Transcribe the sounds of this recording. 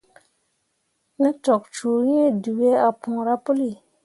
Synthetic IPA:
nĩ˦tɔ˨k̚t͡ʃu˨ɾe˦du˨ɡe˦a˨pʰũ˨ɾa˦pu˦li˨

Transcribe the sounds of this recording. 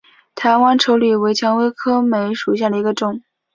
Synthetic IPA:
t̪ʰa˧˥ɪwa˥nʈ͡ʂʰo˧˥ʊly˥˩we˧˥ɪt͡ɕʰjɑ˧˥ŋwe˥ɪkʰɤ˥me˧˥ɪʂu˨˩ɕja˥˩ə˩i˧˥ɡə˧ʈ͡ʂʊ˥˩ŋ

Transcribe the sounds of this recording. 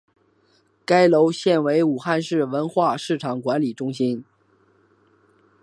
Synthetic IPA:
ka˥ɪlo˧˥ʊɕjɛ˥˩nwe˧˥ɪu˨˩xa˥˧nʂɻ̩˥˩wə˧˥nxwa˥˧ʂɻ̩˥˩ʈ͡ʂʰɑ˨˩ŋkwa˧˥nli˨˩ʈ͡ʂʊ˥ŋɕi˥n

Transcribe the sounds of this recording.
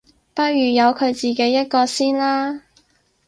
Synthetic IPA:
pɐ˥t̚jyː˨˩jɐ˨˧wkʰɵ˨˧ɥt͡siː˨˩ke˨˥jːɐ˥t̚kɔː˧siː˥nlaː˥

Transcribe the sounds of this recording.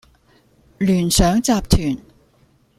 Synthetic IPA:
lyː˨˩nsœː˨˥ŋt͡saː˧p̚t̪ʰyː˨˩n

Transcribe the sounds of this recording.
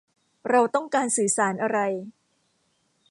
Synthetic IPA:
ɾa˧wt̪ɔ˥˩ŋkaː˧nsɯː˨˩˦saː˩˦nʔa˧ɾa˧j

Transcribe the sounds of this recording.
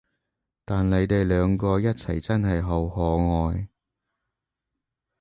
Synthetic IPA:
t̪aː˨nle˨˧˥jt̪e˨jlœː˨˧ŋkɔː˧jɐ˥t̚t͡sʰɐ˨˩jt͡sɐ˥nɦɐ˨jɦo˨˧whɔː˨˧ŋɔː˨˧j

